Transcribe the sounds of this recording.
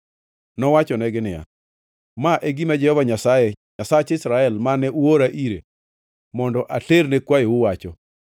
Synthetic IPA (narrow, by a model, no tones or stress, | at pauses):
nɔwat͡ʃɔnɛɡɪnɪja̰ | maʔeɡimad͡ʒɛhɔvaɲasajeɲasat͡ʃɪsɾaɛlmanɛʔuoɾaʔiɾe | mɔndɔʔaɬernekwajewʊwat͡ʃɔ